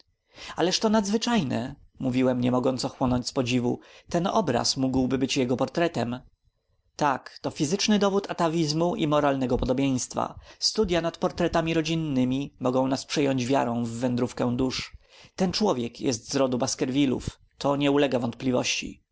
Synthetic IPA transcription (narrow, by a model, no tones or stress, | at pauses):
alɛʂt̪ɔnad̪zvɘt͡ʂajnɛ̰ | muvʲiwɛmɲɛmɔɡɔnt̪sɔxwɔnɔɲt͡ɕspɔd͡ʑivṵt̪ɛnɔbɾa̰smuɡwbɘbɘt͡ɕjɛɡɔpɔɾt̪ɾɛt̪ɛm | t̪akt̪ɔfʲizɘt͡ʂnɘd̪ɔvut̪ʰat̪avʲizmuʔimɔɾalnɛɡɔpɔd̪ɔbʲjej̃st̪fa̰st̪ud̪janat̪pɔɾt̪ɾɛt̪amʲiɾɔd͡ʑinːɘmʲimɔɡɔ̃w̃naspʂɛjɔɲd͡ʑvʲja̰ɾɔ̃w̃vːɛnd̪ɾufkɛ̃d̪uʂ | t̪ɛnt͡ʂwɔvʲjɛkjɛ̰st̪zɾɔd̪ubaskɛɾvʲilṵf | t̪ɔɲɛulɛɡavɔnt̪̚plʲivɔ̰ɕt͡ɕḭ